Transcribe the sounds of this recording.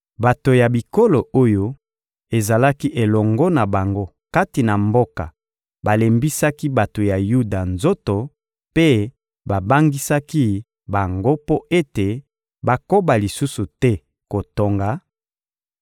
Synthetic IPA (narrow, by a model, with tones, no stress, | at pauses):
ba˨to˨ja˨bi˨ko˦lo˨o˦jo˦ | e˨za˨la˦ki˦ʔe˨lɔ˨ŋɡɔ˦na˨ba˨ŋɡo˦ | ka˦ti˨na˨mbo˦ka̰˨ | ba˨le˨mbi˦sa˦ki˦ba˨to˨ja˨ju˦da˨nzo˦to˨ | pe˦ | ba˨ba˦ŋɡi˦sa˦ki˦ | ba˨ŋɡo˦po˦e˦te˨ | ba˦ko˦ba˨li˨su˦su˨tɛ˦ | ko˨to˨ŋɡa˨